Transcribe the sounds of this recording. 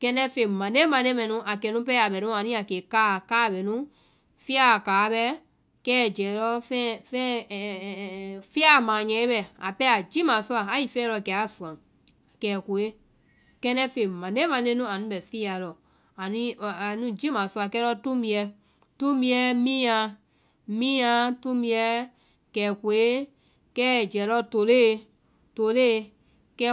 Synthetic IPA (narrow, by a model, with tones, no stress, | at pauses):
kɛ̃˧nɛ̃˧˦fe˨mã˨de˦mã˨nẽ˦mɛ̃˨nũ˦ʔa˨kɛ˨nũ˦pɛ˦a˨ɓɛ˨nũ˦a˨nĩ˦a˨keː˨kaː˦˨kaː˦˨ɓɛ˨nũ˦ | fi˦a˦˨kaː˨˦ɓɛ˧˦ | kɛː˦˨d͡ʒɛː˨˦lɔ˦fɛ̃˦fɛ̃˦˨ | fi˦a˦˨mãː˨ɲɛ̃˨˦e˦ɓɛ˨a̰˨pɛ˦a˨d͡ʒi˦mã˨su˦a˨a˨ji˨fɛː˦lɔ˧˨kɛ˨a˦˨su˨ã˨ | kɛː˨ku˨e˦ | kɛ̃˦nɛ̃˦fe˨mã˨ne˦mã˨nẽ˦nũ˦a˨nũ˦bɛ˨fi˦a˨lɔ˨ | a˨nĩ˦˨nũ˦d͡ʒi˦mãː˨su˧a˨kɛ˦lɔ˧tũ˦mbĩ˧ɛ˧ | tũ˦mĩ˧ɛ˦mĩː˦ã˧ | mĩː˦ã˧˦tũ˦mĩ˧ɛ˦ | kɛː˨ku˨e˦ | kɛː˦˨d͡ʒɛ˨˦lɔ˧˦to˨leː˦˨ | to˨leː˦ | kɛ˦